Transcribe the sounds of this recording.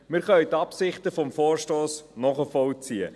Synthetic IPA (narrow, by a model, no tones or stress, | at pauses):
mɪɾχœɥt̪ɑpsɪχtəfɔmfoːrʃtoːsnɔχəfɔlt͡siə̰